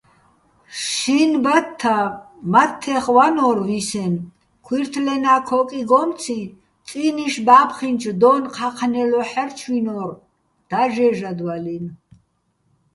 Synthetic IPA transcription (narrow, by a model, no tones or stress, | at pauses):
ʃinbat̪ʰːa | mat̪ʰːɛχwanɔɾvisɛn | kʰwiɾt̪ʰlɛnakʰɔkʼiɡɔmt͡sʰi | t͡sʼiniʃbaːpʰχint͡ʃʰd̪ɔnqʰaqʰnɛlɔħɛrt͡ʃʰwinɔɾ | d̪̥aʒɛʒad̪walin